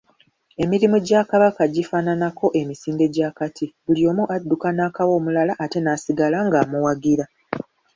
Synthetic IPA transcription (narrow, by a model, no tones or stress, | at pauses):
e̞miɾimuɟakaβakaɟifaːnanako̞ʔe̞misiːnde̞ɟaːkatʰibulio̞ːmuʔadːukanaːkawo̞ːmulalaʔːte̞naːsiɡalaŋɡaːmuwaɡiɾa